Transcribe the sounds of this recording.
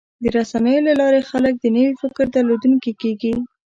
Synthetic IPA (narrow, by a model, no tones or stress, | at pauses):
d̪əɾasanəjolalɑɾexalək̚d̪ənəwifɪkɾd̪aɾlod̪unkikeɡi